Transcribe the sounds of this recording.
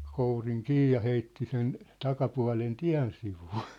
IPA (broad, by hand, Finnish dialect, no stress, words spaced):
kouriŋ kiː jɑ heitːi sen tɑkɑpuɑ̝len tiæ̝n siʋuː